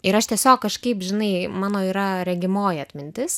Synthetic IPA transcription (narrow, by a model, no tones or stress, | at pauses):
ɪɾɐʃt̪ʲiɛsʲoːkːɐʃkɐɪpʒʲɪnɐɪmɑːnoːiːɾɐɾʲɛɡʲɪmoːjɐt̪ʲmʲɪnʲt̪ʲɪs